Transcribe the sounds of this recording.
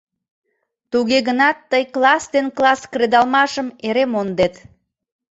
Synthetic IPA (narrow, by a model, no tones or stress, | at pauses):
t̪uɣeɣənɑt̪ːəjklˠɑst̪enklˠɑskred̪ɑlmɑʃəmeɾemond̪et̪